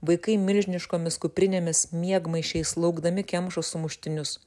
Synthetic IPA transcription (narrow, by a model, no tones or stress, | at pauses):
ʋɐɪkɐɪmʲɪlʲʒʲnʲɪʃkoːmʲɪskʊpʲɾʲɪnʲemʲɪsmʲiɛɡmɐɪʃʲɛɪslˠɐʊɡd̪ɐmʲɪkʲɛmʃosʊmʊʃʲt̪ʲɪnʲʊs